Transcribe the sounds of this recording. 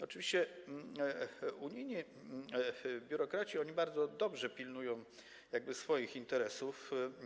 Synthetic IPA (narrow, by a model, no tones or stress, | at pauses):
ɔt͡ʂɨvʲiɕt͡ɕɛ | uɲijɲi | bʲjuɾɔkɾat͡ɕiɔɲibaɾd̪zɔd̪ɔbʐɛpʲilnujɔ̃w̃ | jaɡ̚bɘsfɔjixint̪ɛɾɛsuf